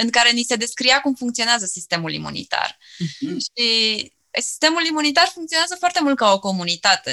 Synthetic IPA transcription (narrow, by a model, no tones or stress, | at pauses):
ɨŋkaɾe̞nise̞d̪e̞skɾijakumfuŋkt̪sio̞neazəsist̪e̞mulḭmṵnḭt̪a̰r | ʃi | si̥st̪e̞mulimunit̪arfuŋkt̪sio̞neazəfoart̪e̞mult̪̚kao̞ko̞munit̪at̪e̞